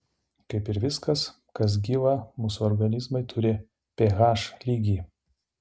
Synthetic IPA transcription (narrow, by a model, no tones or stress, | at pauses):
kɐɪpɪɾʋʲɪskɐs | kɐs̬ɡʲiːʋɐmuːsuːɔɾɡɐnʲɪzmɐɪt̪ʰʊɾʲɪ | pʲeːɣɑːʃlʲiːɡʲiː